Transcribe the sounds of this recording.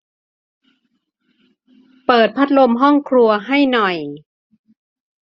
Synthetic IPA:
pɤː˨˩t̪̚pʰa˦˥t̪̚lo˧mɦɔ˥˩ŋkʰɾu˧ɐɦa˥˩jnɔ˨˩j

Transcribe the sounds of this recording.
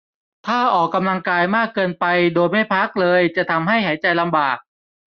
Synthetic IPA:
t̪ʰaː˥˩ʔɔː˨˩kːa˧mla˧ŋkaː˧jmaː˥˩kːɤː˧npa˧jdoː˧jma˥˩jpʰa˦˥k̚lɤː˧jt͡ɕa˨˩t̪ʰa˧mɦa˥˩jɦa˩˦jt͡ɕa˧jla˧mbaː˨˩k̚

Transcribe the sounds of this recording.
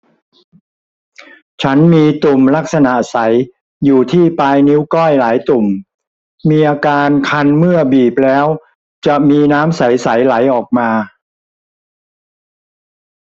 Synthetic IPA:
t͡ɕʰa˦˥nmiː˧t̪u˨˩mla˦˥k̚sa˧na˨˩ʔsa˩˦j | juː˨˩t̪ʰiː˥˩paː˧jni˦˥wkɔ˥˩jlaː˩˦jt̪u˨˩m | miː˧ʔaː˧kaː˧nkʰa˧nmɯ˥˩ɐbiː˨˩p̚lɛː˦˥w | t͡ɕa˨˩ʔmiː˧naː˦˥msa˩˦jsa˩˦jla˩˦jʔɔː˨˩k̚maː˧

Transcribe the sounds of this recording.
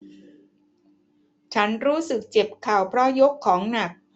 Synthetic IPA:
t͡ɕʰa˦˥nɾuː˦˥sɯ˨˩k̚t͡ɕe˨˩p̚kʰaː˨˩wpʰɾɔ˦˥jo˦˥kʰːɔː˩˦ŋna˨˩k̚

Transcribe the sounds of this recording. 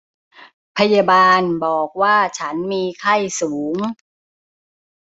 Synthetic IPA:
pʰa˧ja˧baː˧nbɔː˨˩k̚waː˥˩t͡ɕʰa˦˥nmiː˧kʰa˥˩jsuː˩˦ŋ

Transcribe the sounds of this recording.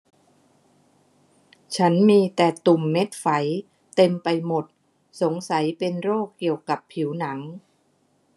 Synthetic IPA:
t͡ɕʰa˦˥nmiː˧t̪ɛː˨˩t̪u˨˩mːe˦˥t̪̚fa˩˦j | t̪e˧mpa˧jmo˨˩t̪̚ | so˩˦ŋsa˩˦jpe˧nɾoː˥˩kːi˨˩əwka˨˩pʰːi˩˦wna˩˦ŋ

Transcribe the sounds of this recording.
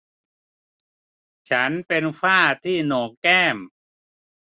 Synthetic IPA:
t͡ɕʰa˦˥npe˧nfaː˥˩t̪ʰiː˥˩noː˨˩kɛː˥˩m

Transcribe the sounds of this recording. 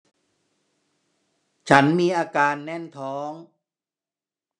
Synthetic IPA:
t͡ɕʰa˦˥nmiː˧ʔaː˧kaː˧nːɛ˥˩nt̪ʰɔː˦˥ŋ

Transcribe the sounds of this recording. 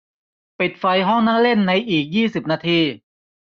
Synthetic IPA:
pi˨˩t̪̚fa˧jɦɔ˥˩ŋna˥˩le˥˩nːa˧jʔiː˨˩k̚jiː˥˩si˨˩p̚naː˧t̪ʰiː˧

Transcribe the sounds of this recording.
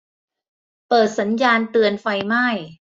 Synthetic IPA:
pɤː˨˩t̪̚sa˩˦njaː˧nt̪ɯ˧ənfa˧jma˥˩j

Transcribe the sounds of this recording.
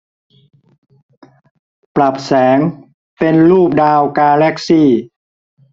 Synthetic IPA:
pla˨˩p̚sɛː˩˦ŋ | pe˧nluː˥˩p̚daː˧wkaː˧lɛ˦˥k̚siː˥˩

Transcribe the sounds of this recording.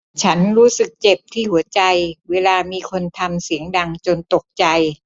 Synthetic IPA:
t͡ɕʰa˦˥nɾuː˦˥sɯ˨˩k̚t͡ɕe˨˩p̚t̪ʰiː˥˩hu˩˦ɐt͡ɕa˧jweː˧laː˧miː˧kʰo˧nt̪ʰa˧msi˩˦əŋda˧ŋt͡ɕo˧nt̪o˨˩k̚t͡ɕa˧j

